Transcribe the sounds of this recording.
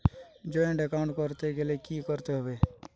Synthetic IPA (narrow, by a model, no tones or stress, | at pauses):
d͡ʒoẽɖekaːɳɖkəɾt̪ekelekikəɾt̪eɦoʋeː